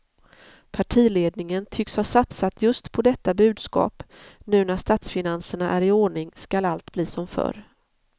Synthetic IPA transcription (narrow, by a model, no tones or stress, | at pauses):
pʰaʈʰiːleːd̪nɪŋənt̪ʰʏkshaʂat̪sat̪ʰjɵst̪pʰɔd̪ɛt̪ːabʉ̟ːd̪skɑ̰ːp | nʉ̟ːnæʂt̪aːt̪sfɪnansəɳaʔæɾɪoːɳɪŋskalalt̪bliːsɔmfœ̰ɾ